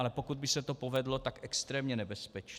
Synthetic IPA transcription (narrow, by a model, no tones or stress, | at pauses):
lɛpo̞kud̪̚bɪsɛt̪opovɛdlo̞t̪akʔɛkst̪ɾɛːmɲɛnɛbɛspɛt͡ʃ